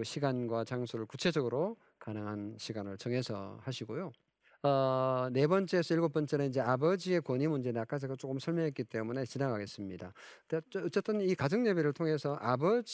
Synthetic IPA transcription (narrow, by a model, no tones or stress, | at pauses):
ɕʰiɡanɡwat͡ɕaŋsʰuɾɯɭkut͡ɕʰe̞d͡ʑʌɡɯɾo | kanɯŋɦanɕʰiɡanɯɭt͡ɕʌŋɦe̞sʰʌ̰haɕʰiɡojo | ʌne̞bʌnt͡ɕ͈eːsʰʌiɭɡop͈ʌnt͡ɕ͈enɯnid͡ʑe̞abʌd͡ʑie̞kwʌɲimund͡ʑe̞nak͈ad͡ʑiɡat͡ɕ͈ok͈ɯmsʰʌɭmjʌŋɦet̚k͈it͈e̞mune̞t͡ɕinaŋaɡe̞s͈ɯmɲidadeʌt͡ɕ͈ʌt͈ʌnikad͡ʑʌŋɲebiɾɯɭtʰoŋɦe̞sʰʌʔabʌd͡ʑ